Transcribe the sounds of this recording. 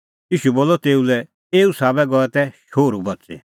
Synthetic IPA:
jiːʃuboːlːɔt̪eːulɛ | eːusaːbɛɡɔɛt̪ɛʃoːɾubɐtːt͡sḛ

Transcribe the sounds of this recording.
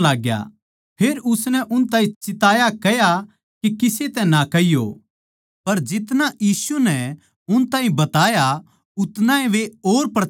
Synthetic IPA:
laːɡja̰ | pʰeːɾʊsnɛʔʊnt̪ãːĩt͡ʃɪt̪aːjakɛja | kikɪset̪ɛnakɐijo̰ | pɐɾd͡ʒɪt̪najiːsunɛ | ʊnt̪aːɦĩbɐt̪aːja | ʊt̪nãːẽʋeoːɾpɾɐ

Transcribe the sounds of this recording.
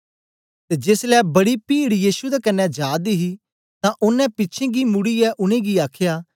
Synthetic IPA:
t̪eːd͡ʒeːslɛːbɐɽipiːɽjiːʃud̪aːkɐnːɛd͡ʒaːd̪iɦi | t̪ãʔʊnːɛ̃pɪtːʃʰẽːɡimʊɽiɛʔʊñẽːɡiaːkʰjaː

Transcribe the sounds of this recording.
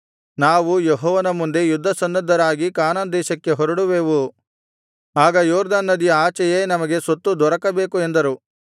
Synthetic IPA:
naːʋujeɦɔːʋɐnɐmund̪e̞jud̪ʱːɐsɐnd̪ɐd̪ʱːɐɾaːɡikaːnaːnd̪ɛːʃɐkːe̞ɦɔɾɐɽuʋeːʋu | aːɡɐjɔːɾd̪aːnːɐd̪iaːt͡ʃɐjeːnɐmɐɡe̞sot̪ːud̪ɔɾɐkɐbeːkue̞nd̪ɐɾu

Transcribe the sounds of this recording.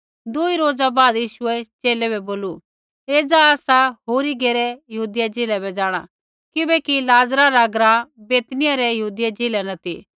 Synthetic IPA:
d̪uiɾoːd͡zabaːd̪jiːʃʊɛt͡ʃeːlɛbɛboːlu | eːd͡zaaːsaɦoːɾiɡeːɾɛjɐɦuːd̪ɪjad͡ʒeːlɛbɛd͡ʒaːɽ̃a̰ | kɪbɛkilaːzɾaɾaɡɾãːbeːt̪nɪjaɾɛjɐɦuːd̪ɪjad͡ʒeːlɛnɐt̪ʰḭ

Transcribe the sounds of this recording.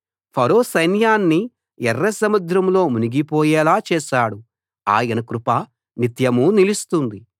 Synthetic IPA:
pʰɐɾoːsɐjnjaːnːi | ɛrːɐsɐmɐd̪ɾɐmlo̞ːmuniɡipɔːjɛːlaːt͡ʃɛːʃaːɽu | a̰ːjɐnɐkɾupa | nit̪jɐmunilist̪und̪i

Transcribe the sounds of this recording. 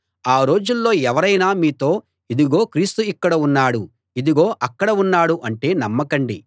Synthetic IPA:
aːɾo̞ːd͡ʒulːoːɛʋɐɾɐjnaːmiːt̪oː | id̪iɡo̞ːkɾiːst̪uikːɐɽɐunːaːɽu | id̪iɡo̞ːʔɐkːɐɽɐunːaːɽuʔɐɳʈe̞ːnɐmːɐkɐɳɖi

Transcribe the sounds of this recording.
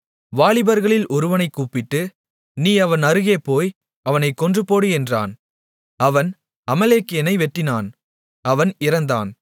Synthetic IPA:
ʋaːɭɪbɐɾɣɐɭɪlʔɔɾɯʋɐnɐɪkːuːpːɪʈːɯ | niːɐʋɐnɐɾɯɣeːpoːj | ɐʋɐnɐɪkːɔndrɯpoːɽɯɛndra̰ːn | ɐʋɐn | ɐmɐleːkːɛnɐɪʋɛʈːɪnaːn | ɐʋɐnɪɾɐnd̪a̰ːn

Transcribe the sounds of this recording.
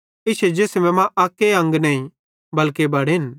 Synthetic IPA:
ɪsed͡ʒeːsmɛ̃mãʔaːkːeɐ̃ŋɡnɐĩ | bɐlkebɐɽn

